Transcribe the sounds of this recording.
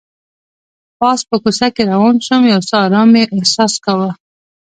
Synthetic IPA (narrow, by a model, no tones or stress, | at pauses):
pɑspəkusakeɾawɑnʃəmjawsɑɾɑmeʔɪhsɑskawa